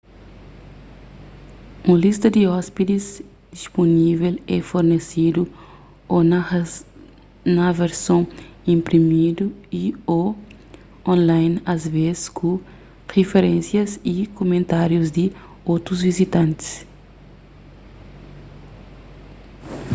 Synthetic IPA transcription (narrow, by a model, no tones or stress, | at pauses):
ũlist̪ɐd̪iɔspid̪iz | d̪̥isponivelɛfoɾnesid̪u | on | nɐveɾsõĩmpɾimid̪uio | õnlajnɐzveziskʰũ | ʁefeɾẽnsjɐzikomẽnt̪aɾjuzd̪i | ot̪ɾuzvizit̪ɐ̃nt̪i̥s